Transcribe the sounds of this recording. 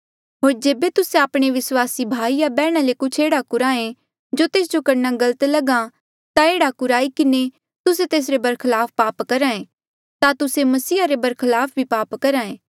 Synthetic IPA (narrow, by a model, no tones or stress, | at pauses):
ɦoːɾd͡ʒeːbet̪ʊsẽaːpɽ̃eʋɪswaːsibʱaːijabɛːɽ̃alekʊt͡ʃʰeːɽakʊɾaːẽ | d͡ʒot̪eːs̬d͡ʒokɐɾnaɡɐlət̪lɐɡã | t̪aeːɽakʊɾaːikɪne | t̪ʊset̪eːs̬ɾebɐɾkʰəlaːpʰpaːpkɐɾãːẽ | t̪at̪ʊsemɐsiːaɾebɐɾkʰɪlaːpʰbʱipaːpkɐɾãːẽː